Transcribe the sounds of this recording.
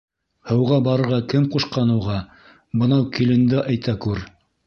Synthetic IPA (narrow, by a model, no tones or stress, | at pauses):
hɤ̆wʁɑbɑɾɤ̆ɾʁɑkɘmquʃqɑnɤ̆wʁɑ | bɤ̆nɑwkilɘ̆nd̪ɘʔæjt̪ækʉɾ